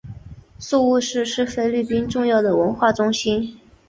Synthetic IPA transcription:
su˥˧u˥˧ʂɻ̩˥˧ʂɻ̩˥˩fe˥ɪly˥˩pi˥nʈ͡ʂʊ˥˧ŋjɑ˥˩ʊd̪ə˩wə˧˥nxwa˥˩ʈ͡ʂʊ˥ŋɕi˥n

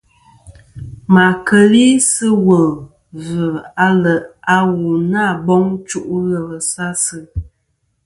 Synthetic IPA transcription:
ma˨kə˨li˦sə˦wə˨ | və˨a˦lə˨ʔa˦wu˨na˦˨bɔ˦ŋt͡ʃu˦ʔu˦ɣə˨lə˨sa˦sɨ˦

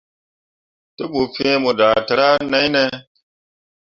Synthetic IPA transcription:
to˦ɓo˨fẽː˦mo˨da˨ta˨ɾa˦na˦jne˦

